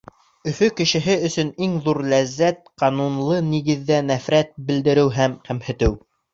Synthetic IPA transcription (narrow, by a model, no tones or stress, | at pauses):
ɵ̆fɵkɘ̆ʃɘ̆ɦɘɵ̆sɵ̆niŋðuɾlæzːæt̪̚qɑnunlˠɤniɡɘ̆ðːænæfɾæt̪̚bɘ̆ld̪ɘ̆ɾɘwɦæmqæmhɘ̆t̪ɘw